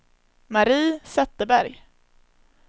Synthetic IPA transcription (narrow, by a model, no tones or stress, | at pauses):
maɾiːsɛt̪ːəbæɾj